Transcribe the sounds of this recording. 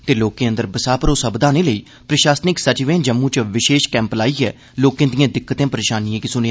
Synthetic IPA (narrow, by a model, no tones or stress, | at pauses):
t̪eːloːkẽːənd̪əɾbəsaːpɾoːsəbd̪aːnẽːləiː | pɾəʃaːsnɪksət͡ʃʋẽːd͡ʒəmːũːt͡ʃəʋɪʃeːʃkɛ̃ːmplaːiːɛː | loːkẽːd̪ijãːd̪ɪkːət̪ẽːpəɾeːʃaːniãːkisʊnea